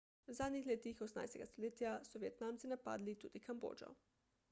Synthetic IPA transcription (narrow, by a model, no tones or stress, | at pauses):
wzaːd̪nʲixleːt̪ixosna̰jst̪ɛ̰ɡast̪oleːt̪ijasɔʋjɛt̪naːmt̪sinapa̰ːd̪lit̪ṵːd̪ikʰambo̰ːd͡ʒɔ̰